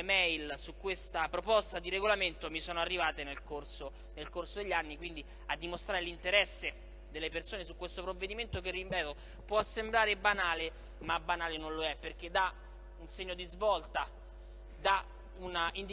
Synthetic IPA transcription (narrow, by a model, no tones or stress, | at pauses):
mɛjlsukːwest̪apɾopɔst̪ad̪iɾeɡolament̪omisoːnoarːivaːt̪enelkorso | nelkorsod̪eʎːanːikwind̪i | ad̪ːimost̪ɾaːɾelint̪eɾɛsːe | d̪elːepersoːnesukːwest̪opɾovːed̪iment̪ok̬erːimpɛːt̪o | pwɔasːembɾaːɾebanaːle | mabːanaːlenonloɛpːerk̟ed̪ːa | unseɲːod̪izvɔlt̪a | d̪a | unaind̪